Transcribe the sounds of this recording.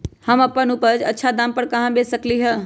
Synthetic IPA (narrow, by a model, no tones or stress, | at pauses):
həməpənupəd͡ʒətːʃʰad̪aːmpəɾkəɦãbesəkliɦə